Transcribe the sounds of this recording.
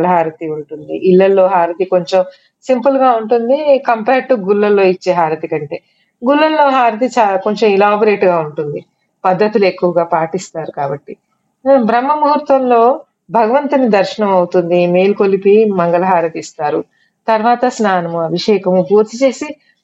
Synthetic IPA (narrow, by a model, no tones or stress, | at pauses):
lɐɦaːɾɐt̪iuɳʈund̪iʔːlːɐlːo̞ːɦaːɾɐt̪iko̞ɲt͡ʃem | simpulɡaːuɳʈund̪ikɐmpeːɾʈuɡulːɐlːo̞ːit͡ʃːe̞ːɦaːɾɐt̪ikɐɳʈe̞ː | ɡulːɐlːo̞ːɦaːɾɐt̪̬it͡ʃako̞ɲt͡ʃɐmilaːbɐɾeːʈɡaːuɳʈund̪i | pɐd̪ʱːɐt̪ilue̞kːuʋɐɡaːpaːʈist̪aːɾukaːbɐʈːi | bɾɐmːɐmuɦuɾt̪ʋɐmlo̞ː | bʱɐɡɐʋɐnt̪ɐnid̪ɐɾʃɐɳɐmɐwut̪und̪imeːlukolipimɐŋɡɐlɐɦaːɾɐt̪ist̪aːɾu | t̪ɐɾʋaːt̪ɐsnaːnɐmuɐbʱiʂɛːkɐmupuːɾt̪it͡ʃe̞ːsi